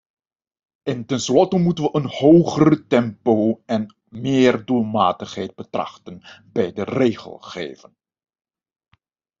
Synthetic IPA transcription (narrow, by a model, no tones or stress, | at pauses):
ɪntɛnslɔtəmutənʋəʔənhowχərətɛmpowɛn | mɪːrdulˠmaːtəχɦɛjd̚bətrɑ̰χtənbɛjdərejχə̰lˠχḛːjvə̰n